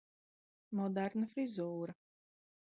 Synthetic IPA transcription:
mɔd̪aɾnafɾizuːɾa

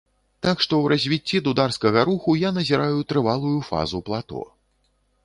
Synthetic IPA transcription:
t̪akʂt̪ɔwɾɐzʲvʲit͡sʲːid̪ud̪arskɐɣɐɾuxujanɐzʲiɾajut̪ɾɨvalˠujufa̰zuplˠat̪ɔ̰

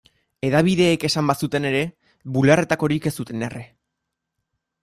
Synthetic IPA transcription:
e̞ðaβ̞iðe̞ːke̞sambasut̪e̞ne̞ɾe̞ | βulare̞t̪ako̞ɾike̞st̪ut̪e̞nere

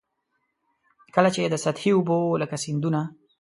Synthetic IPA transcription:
kəlat͡ʃed̪əsat̪hiʊboləkasind̪una

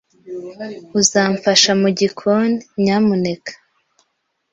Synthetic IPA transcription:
uzaːɱfaʃamuɟikʰonɲamune̞kḁ

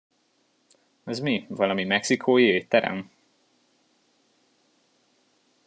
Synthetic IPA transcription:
ɒzmivɒlɒmimɛksikʰoːjeːt̪ːɛɾɛ̰m

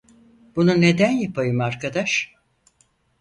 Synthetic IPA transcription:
b̥unune̞d̪ænjapʰajɯmaɾkʰad̪aʃ

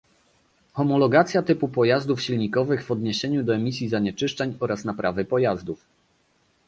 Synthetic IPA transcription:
xɔmɔlɔɡat̪sʲjat̪ɘpupɔjazd̪ufɕilɲikɔvɘɣvɔd̪ɲeɕeɲud̪ɔɛmʲisʲjizaɲɛt͡ʂɘʂt͡ʂɛɲɔɾasnapɾavɘpɔjazd̪uf

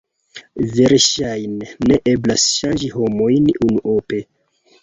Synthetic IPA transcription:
ve̞ɾʃajnːe̞ʔe̞blasʃand͡ʒiho̞mo̞jnunuʔope̞

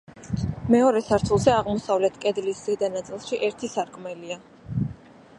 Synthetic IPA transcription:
mɛɔɾɛsaɾt̪ʰulˠzɛaʁmɔsavlɛt̪ʰkʼɛd̪liszɛd̪anat̪sʼilˠʃiʔɛɾt̪ʰisaɾkʼmɛlia

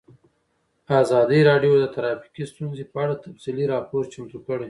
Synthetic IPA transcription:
azɑd̪iɾɑɖjod̪ət̪aɾɑfi̥kist̪unzepəaɽat̪afsiliɾɑpoɾt͡ʃamt̪ukəɽe

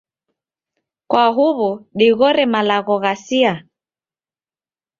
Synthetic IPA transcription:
kwaɦuβuɗiɣɔɾɛmalaɣɔɣasia

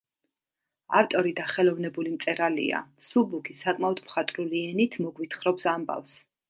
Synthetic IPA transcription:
aɾt̪ʼɔɾid̪aχɛlˠɔvnɛbulimt̪sʼɛɾalḭa̰subukʰisakʼmaɔd̪mχat̪ʼɾuliɛnit̪ʰmɔɡwit̪ʰχɾɔpsamba̰fs

